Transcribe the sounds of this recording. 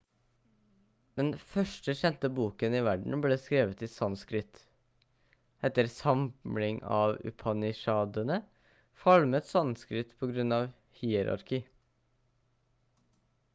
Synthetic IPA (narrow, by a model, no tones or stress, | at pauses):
d̪̥ɛnfœʂʈəɕɛnt̪əbuːkənɪʋæɖɳ̩bleːskɾeːʋət̪ɪsɑnskɾɪt̪ | ɛt̪ːəɾsɑmlɪŋɑ̰ːʋʉ̰pʰɑnɪʂɑːd̪ənə | fɑlmət̪sɑnskɾɪt̪pʰɔɡɾʉnɑːʋ | hiːɛɾɑ̰ɾkiː